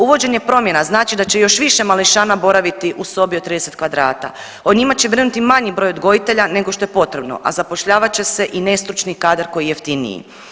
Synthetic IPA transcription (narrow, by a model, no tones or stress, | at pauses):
uʋo̞d͡ʑe̞ɲe̞pɾo̞mje̞naznaːt͡ʃid̪at͡ɕe̞jo̞ʃʋiʃe̞maliʃaːnabo̞ɾaʋit̪iʔuso̞biod̪t̪ːɾid̪eset̪kʋad̪ɾaːt̪a̰ | oɲimat͡ɕe̞ʋɾenut̪imaɲibɾo̞jod̪ɡo̞jit̪e̞ʎane̞ɡoʃt̪o̞jepo̞t̪ɾe̞bno̞̰ʔa̰zapo̞ʃʎaːʋat͡ɕe̞se̞ʔine̞st̪ɾut͡ʃnikaːd̪aɾko̞jijeft̪inḭjḭ